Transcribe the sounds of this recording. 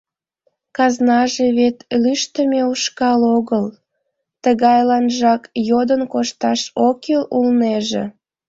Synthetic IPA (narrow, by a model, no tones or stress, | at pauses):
kɑznɑʒeβet̪lyʃt̪əmeuʃkɑloɣəl | t̪əɣɑjlɑnʒɑkjod̪ənkoʃt̪ɑʃokelulneʒḛ